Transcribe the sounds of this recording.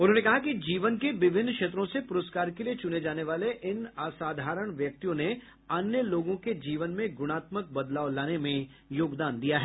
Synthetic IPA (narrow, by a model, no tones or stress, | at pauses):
ʊnɦõːnekɐɦakid͡ʒiːʋənkeʋɪʋʱɪnːkʃeːt̪̬ɾõsepʊɾəskaːɾkeliet͡ʃʊned͡ʒaːneʋaːleʔɪnaːsaːd̪ʱaːɾəɽ̃ʋjɐk̚t̪ijõne | ɐnjəloːɡõked͡ʒiːʋənmẽɡʊɽ̃aːt̪mək̚bɐd̪laːʋlaːnemẽ | joːɡd̪aːnd̪ijaɦɛː